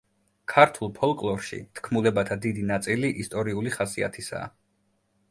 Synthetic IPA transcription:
kʰaɾt̪ʰulˠpʰɔlˠkʼlˠɔɾʃḭt̪ʰkʰmulɛbat̪ʰad̪id̪inat̪sʼiliʔist̪ʼɔɾiuliχasia̰t̪ʰisa̰ː

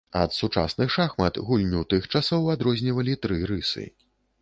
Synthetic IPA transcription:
ɐt̪sut͡ʂa̰snɨxʂaxmɐt̪ɣulʲnʲuwt̪ɨxt͡ʂasɔwad̪ɾɔzʲnʲivɐlʲit̪ɾɨɾɨsɨ̰

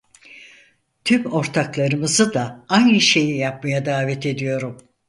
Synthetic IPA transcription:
t̪ʰymo̞ɾt̪ʰaklˠaɾɯmɯzɯd̪aajnɯʃe̞jijap̚majad̪aːvɛt̪ʰe̞d̪ijo̞ɾum

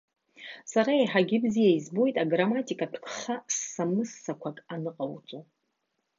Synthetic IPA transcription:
saɾaeħaɡʲɪbzijaizbo̞jtʼaɡramatʼikʼapʰkʰʼχasːamɨsːakʷʰakʼanɨqʼawt͡sʷʼo

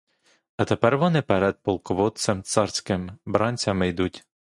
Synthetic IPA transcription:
ɐt̪epɛrʋɔnɪpɛɾɛd̪̚pɔlˠkɔʋɔt̪sɛmt̪sɑrsʲkɪmbɾɑnʲt͡sʲɐmɪjd̪utʲ

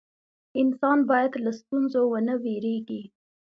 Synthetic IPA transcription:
ɪnsɑnbɑjad̪last̪unzowənəweɾeɡi

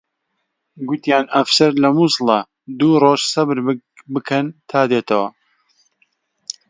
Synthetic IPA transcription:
ɡʊt̪jaːnɐfsɐɾlɐmuslˠɐ | d̪uːroːʃsɐbɨɾ | bɨkʰɐnt̪ʰaːd̪eːt̪ʰɐwɐ

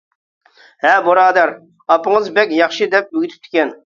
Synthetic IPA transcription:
hɛboɾɑːd̪ɛɾ | ɑpɨŋəzbɛkʲjɑχʃɨd̪ɛp̚byɡʲit̪ʰy̥p̚t̪ʰɪ̥kʲʰɛn

